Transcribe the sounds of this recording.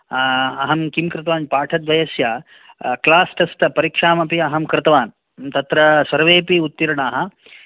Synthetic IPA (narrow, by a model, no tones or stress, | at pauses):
ɐɦɐmkimkɾɪt̪ɐʋaːnpaːʈʰɐt̪ʋɐjɐsja | klaːsʈɐst̪ɐpɐɾikʂaːmɐpiɐɦɐmkɾɪt̪ɐʋaːn | t̪ɐt̪ɾɐsɐɾʋeːpiut̪ːiɾɐɳaːɦɐ̆